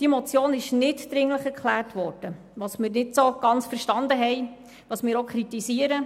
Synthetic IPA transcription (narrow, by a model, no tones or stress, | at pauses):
d̥imɔt͡sjoːnɪʃnɪtd̥ɾɪŋləχɛɾkχlæːrtʋɔɾd̥ə | ʋɑːsmɪːɾnɪtsoɡ̥ɑnt͡sfəɾʃtɑnd̪əɦɛj | ʋɑːsmɪːɾokʰχɾitisiːəɾə